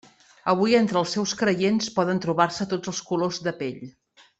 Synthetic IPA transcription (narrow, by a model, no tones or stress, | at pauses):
əβujent̪ɾəlˠsːɛwskɾəjenspɔðənt̪ɾuβarsət̪od͡zəlˠskulozðəpeʎ